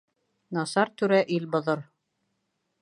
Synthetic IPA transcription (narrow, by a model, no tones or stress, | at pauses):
nɑsɑɾt̪ʉɾæʔilbŏðɤɾ